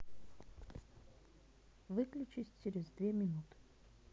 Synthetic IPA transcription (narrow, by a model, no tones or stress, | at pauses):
vɨklʲʊt͡ɕɪsʲt͡ʃɪɾʲɪzd̪vʲemʲɪnut̪ɨ̥